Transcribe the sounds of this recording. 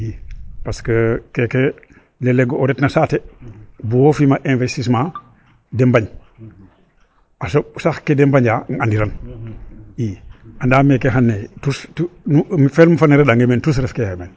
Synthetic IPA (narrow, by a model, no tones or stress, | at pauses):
ipaskəkeke | leleɡooɾetnasatebuwofimaʔẽnvestis̬mãː | dembaɲ | asosaxkedembaɲaŋandiɾan | iandaːmekeɦanːetustunumifelmufanːeɾeɗaŋɡementus̬ɾɛfkehemen